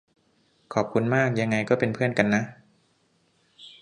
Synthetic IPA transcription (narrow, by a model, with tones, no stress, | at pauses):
kʰɔː˨˩p̚kʰu˧nmaː˥˩k̚ja˧ŋːa˧jkɔː˥˩pe˧npʰɯ˥˩ənka˧nːa˦˥ʔ